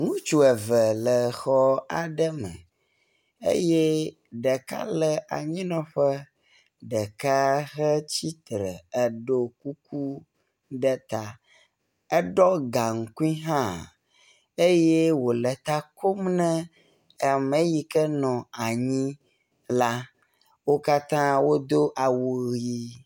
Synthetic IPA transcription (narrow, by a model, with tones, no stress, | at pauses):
ŋũ˦t͡ʃu˨ɛ˨və˨lə˨xɔ˦a˨ɖə˦mə̰̃˨ | ḛ˦jɛ˦ | ɖə˨ka̰˦lə˨ʔa̰˨ɲĩ˦nɔ̃˦ɸə˦ | ɖə˨ka˦xə˦t͡ɕi˦t̪ɾə̰˨ə˨ɖo˦ku˦k̚u˦ | ɖə˦t̪a˨ | ɛ˦ɖɔ˦ɡa˨ŋ̩˨ku˦i˦ɦã˦ | e˦jɛ˦wo˨lɛ˨t̪a˦ko˦mnɛ̃˦˨ | mɛ̃˦ji˦kɛ˦nɔ̃˨a˨ɲĩ˦ | la˦ | wo˦ka˦t̪ã˦wo˦d̪o˦ʔa˨wo˨ɣji˦